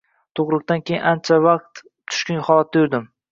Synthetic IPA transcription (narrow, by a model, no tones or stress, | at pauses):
t̪ʰoʁɾɨq̚t̪ankʲʰejɪnʔant͡ʃʰavɑq̚t̪ | t̪ʰʊ̥ʃkʲʊnhɒlˠat̪̚d̪ajʊɾd̪ɪm